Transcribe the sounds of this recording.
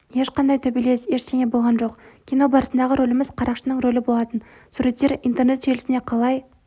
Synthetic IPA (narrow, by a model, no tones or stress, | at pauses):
je̞ʃqɑnd̪ɑjt̪ʰɵbijle̞sje̞ʃseŋʲe̞bo̞lˠʁɑnʒo̞qkʲʰino̞bɑɾəsənd̪ɑʁəɾo̞lɪmɪzqʰɑɾʔɑqʃənəɴɾo̞lɪbo̞lˠɑt̪ən | suɾe̞t̪ːe̞ɾint̪e̞rne̞t̪ʒe̞lɪsɪneqʰɑlˠɑj